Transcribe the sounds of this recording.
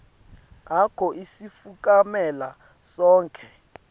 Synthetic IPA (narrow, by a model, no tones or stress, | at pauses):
akʰɔʔisifuk̬ʼamɛla | sɔːŋkʼʰɛ